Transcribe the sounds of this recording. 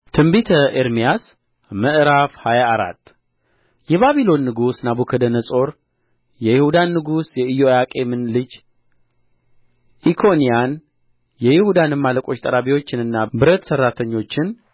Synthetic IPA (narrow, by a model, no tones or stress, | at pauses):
t̪ʰɨmbit̪ʰəʔeɾmijas | məʔɨɾafhajaːɾa̰t̪ː | jɛβaβilo̞nːɨɡusnabukʰəd̪ənəsʼo̞ɾ | jɛjɪhud̪anːɨɡusjɛɨjojakʼe̞mɨnlɨd͡ʒ | ʔikʰo̞nijan | jɛjɪhud̪anɨmːaləkʼo̞t͡ʃːt̪ʼəɾaβiwo̞t͡ʃːɪnɨnːabɨɾət̪sərːat̪ʰəɲːo̞t͡ʃːɪn